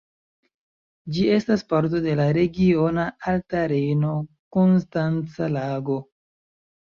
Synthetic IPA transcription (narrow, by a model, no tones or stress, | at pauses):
d͡ʒie̞staspaɾt̬o̞de̞laɾe̞ɡio̞naaltaɾe̞jno̞ | konstant͡salaɡo̞